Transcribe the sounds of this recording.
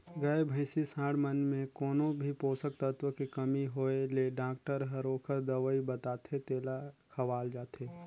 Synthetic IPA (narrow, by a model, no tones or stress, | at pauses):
ɡəebʱəɪsisãːɽmənmẽkɔːnõbʱipoːsək̚t̪ət̪wəkikɐmiɦoːeleɖãːk̚ʈəɾɦəɾoːkʰəɾd̪ɐʋəibɐt̪aːt̪ʰet̪eːlakʰɐʋaːld͡ʒaːt̪eː